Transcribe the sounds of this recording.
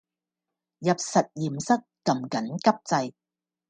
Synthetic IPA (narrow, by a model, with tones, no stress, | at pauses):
jɐ˨p̚sɐ˨t̚jiː˨˩msɐ˥kːɐ˨mkɐ˨˥nkɐ˥p̚t͡sɐ˧j